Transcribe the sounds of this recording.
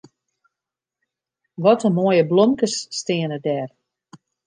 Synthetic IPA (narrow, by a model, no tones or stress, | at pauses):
ʋɔtəmoəjəblomkəsːtɪənədɛːr